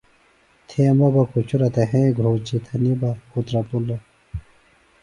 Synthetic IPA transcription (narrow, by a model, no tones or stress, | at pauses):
t̪ʰemɐbɐkut͡ɕʰuɾɐt̪ɐɦẽːɡʱɾoːd͡ʑit̪ʰɐnibakut̪ɾɐpulɐ